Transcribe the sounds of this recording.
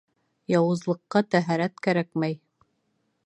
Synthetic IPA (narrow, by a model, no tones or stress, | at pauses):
jɑwɤ̆zlˠɤ̆qːɑt̪æɦæɾæt̪kæɾækmæj